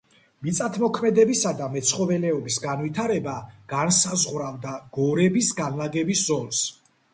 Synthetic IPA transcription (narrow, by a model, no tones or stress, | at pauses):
mit̪sʼat̪ʰmɔkʰmɛd̪ɛbisad̪amɛt̪sʰχɔvɛlɛɔbisɡanvit̪ʰaɾɛbaɡ̥ansazʁwɾavd̪aɡ̥ɔɾɛbisɡanlaɡɛbiszɔlˠs